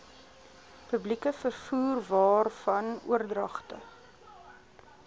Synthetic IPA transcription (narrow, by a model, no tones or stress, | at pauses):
pɵblikəfərfuːrvɑːrfɐnṵərdrɐχtə̰